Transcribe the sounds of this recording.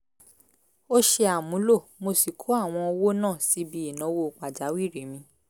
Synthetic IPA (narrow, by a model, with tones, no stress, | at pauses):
o˦ʃe˧a˨mũ˨˦lo˦˨mo˧si˨kʰo˨˦a˦˨w̃ɔ̃˧o˧wo˦nãː˦˨si˨˦bi˧˦i˦˨nã˨˦wo˦˨k͡pa˨d͡ʒa˨˦wi˦˨ɾe˨˦mĩ˧˦